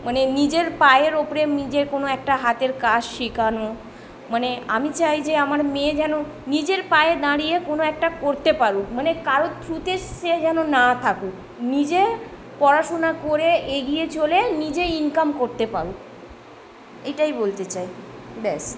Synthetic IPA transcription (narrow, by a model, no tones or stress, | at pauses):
manenid͡ʑeɾpaeɾopoɾenid͡ʑeɾkonoɛk̚ʈaɦat̪eɾkad͡ʑʃikano | maneamit͡ɕajd͡ʑeamaɾmẽd͡ʑɛno | nid͡ʑeɾpaed̪aɽijekonoɛk̚ʈakoɾt̪epaɾukmanekaɾot̪ɾut̪eʃed͡ʑɛnonat̪ʰaku | nid͡ʑe | pɔɾaʃonakoɾeeɡijet͡ɕolenid͡ʑeinkamkoɾt̪epaɾu | ejʈajbolt̪et͡ɕaebɛʃ